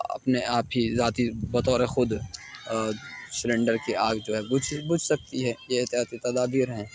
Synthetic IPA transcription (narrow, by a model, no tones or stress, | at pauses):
ɐ̰pneaːpɦizaːt̪ibɐt̪ɔːɾɛxʊd̪ | sɪɾẽːɳɖəɾkeʔaːɡd͡ʒoːɦɛbʊd͡ʒbʊd͡ʒʰsɐk̚t̪iɦɛːjeɪt̪ɪjaːt̪it̪ɐd̪aːbiːɾɦɛ̃ː